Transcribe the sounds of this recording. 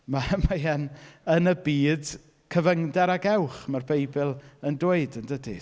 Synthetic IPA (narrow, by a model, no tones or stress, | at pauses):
mamajɛnənəbiːd | kʰəvəŋdɛɾaɡɛwχmarbejbɪlˠəndoɨdəndədḭ